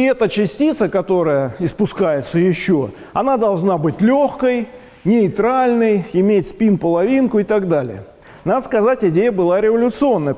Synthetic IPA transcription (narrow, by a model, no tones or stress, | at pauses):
ɛt̪ət͡ɕɪsʲtʲit̪səkɐt̪o̞ɾəjəɪspʊskajɪt̪səjɪɕːo | ɐnad̪ɐlˠʐnabɨtʲlʲoxkəj | nʲɪɪt̪ɾalʲnəjɪmʲetʲspʲinpəlˠɐvʲinkʊɪt̪aɡd̪alʲɪ̰jə̰ | nad̪əskɐzatʲɪdʲejəbɨlˠaɾʲɪvəlʲʊt̪sɨo̞nːəjə